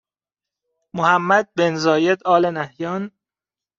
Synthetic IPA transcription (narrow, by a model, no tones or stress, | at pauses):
mohæmːæd̪̚benzɒːjed̪ɒːlenæhjɒːn